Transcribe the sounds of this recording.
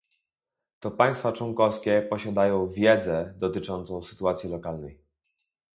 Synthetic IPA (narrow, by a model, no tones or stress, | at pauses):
t̪ɔpaj̃st̪fat͡ʂwɔŋkɔfskʲɛpɔɕad̪ajɔ̃w̃vʲjɛd̪zɛd̪ɔt̪ɘt͡ʂɔnt̪sɔ̃w̃sɘ̥t̪uat̪sʲjilɔkalnɛj